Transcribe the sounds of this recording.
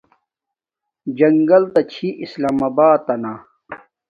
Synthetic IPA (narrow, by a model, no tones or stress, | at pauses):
d͡ʑɐŋɡɐlt̪ɐt͡ɕʰiʔislaːmabaːt̪ːɐna